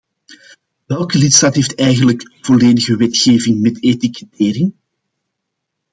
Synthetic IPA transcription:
ʋɛlˠkəlitstaːtɦeːftɛjɣənləkv̥ɔleːdəɣəwɛtxeːvɪŋmɛtetikɛteːɾɪŋ

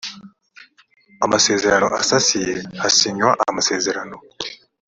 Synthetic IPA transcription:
amase̞ːze̞ɾano̞̰ʔasasijeasiɲwaʔamase̞ːze̞ɾano̞

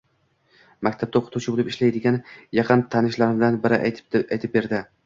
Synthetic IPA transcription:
makʲt̪ʰab̚t̪aoqʰʊ̥t̪ʰuwt͡ʃʰɪbolˠɪpɪʃlajd̪ɪɡʲanɪjɑqʰɨnt̪ʰanɪʃlaɾɪd̪anbɪɾɪ̰ajt̪ʰɪp̚be̞ɾd̪ɪ

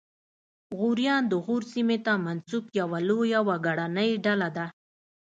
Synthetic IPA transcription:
ɣuɾjɑnd̪əɣuɾsimet̪amansubjawalojawaɡaɽanəjɖalad̪a

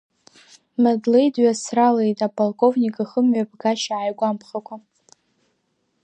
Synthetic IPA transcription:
madlejdɥasrale̞jtʼapʰʼolkʼo̞vnʲikʼaχəmɥab̚ɡaʃaʕajɡʷampʰχakʷʰʼa

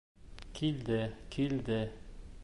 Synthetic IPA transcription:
kʰild̪ɘkʰild̪ɘ

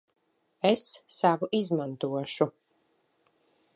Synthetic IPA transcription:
ɛsːavuʔizmant̪uɔʃu

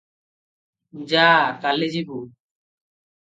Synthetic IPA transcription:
d͡ʒakaled͡ʒibu

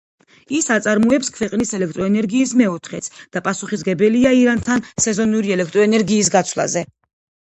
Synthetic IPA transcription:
isat̪sʼaɾmuɛpskʰwɛqʼnisɛlɛkʰt̪ʼɾɔɛnɛɾɡiːsmɛɔt̪ʰχɛt̪sʰd̪̥apʼasuχis̬ɡɛbɛliaiɾant̪ʰansɛzɔnuɾiɛlɛkʰt̪ʼɾɔɛnɛɾɡiːs̬ɡat̪sʰvlˠa̰zɛ

